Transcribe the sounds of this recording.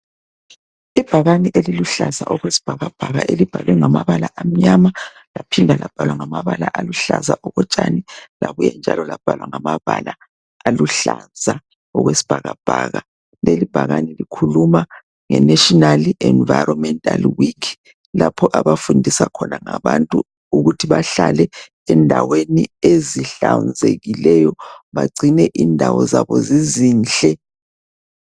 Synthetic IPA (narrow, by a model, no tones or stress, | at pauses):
ib̥ʱaɣaniʔeliluɬaza̰ʔɔɣwesi̥b̥ʱaɣab̥ʱaɣa̰ʔelib̥ʱaɣɛŋamaβalaʔam̩ɲama | lapʰindʱalʔab̥ʱalwaŋamaβalaʔaluɬazaʔɔɣɔt͡ʃʼanilaɣujɛnd͡ʒʱalɔlab̥ʱalwaŋamaβala | aluɬanzʱa | ɔɣwesi̥b̥ʱaɣab̥ʱaːɣa | lelib̥ʱaɣanilikʰuluma | ŋɛnɛʃɔnalɛnvajɾɔmɛntʼalwikʰ | lapʰɔʔaβafundʱisakʰɔnaŋaβantʼu | uɣutʰiβaɬalɛ | ɛndʱawenieziɬand͡zʱeɣilɛjɔβaɡ͡ǀʱinɛʔindʱawɔzaβɔziziːnɬʼɛ